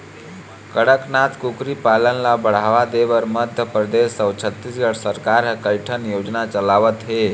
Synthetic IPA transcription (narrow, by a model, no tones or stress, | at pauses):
kəɽəknat̪kukɾipalənlabəɽ̤aʋad̪ebəɾməd̪ʱjəpɾəd̪esːəwt͡ʃʰət̪ːisɡəʈʰsəɾkaɾkəɪʈʰənjod͡ʒnat͡ʃəlaʋət̪ɦe